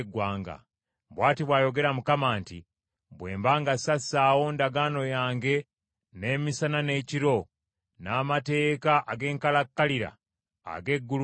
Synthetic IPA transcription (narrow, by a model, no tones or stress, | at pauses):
ɡwaːŋɡa̰ | bwaːtiβwaːjo̞ɡe̞ɾamukamaːnti | bwe̞̰ːmbaːŋɡasaaːwo̞ndaɡaːno̞jaːŋɡe̞ | ne̞ːmisanane̞ːciɾo̞ | naːmate̞ːkaʔaɡe̞ːŋkalakːaliɾa̰ː | ɡe̞ɡːul